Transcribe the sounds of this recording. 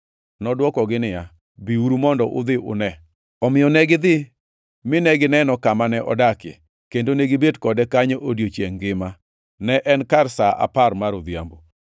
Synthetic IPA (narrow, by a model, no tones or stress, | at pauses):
nɔdwɔkɔɡɪnɪja | biuɾumɔndɔʔʊ̰d̪ɪʔʊ̰nɛ | ɔmɪjɔnɛɡɪd̪ɪ | mɪnɛɡɪnɛnɔkamanɛʔɔ̰dakḛ | kendoneɡɪbedkɔdɛkaɲeʔodjot͡ʃeŋɡɪma | nɛʔɛnkarsaa̰parmaɾʊd̪jambo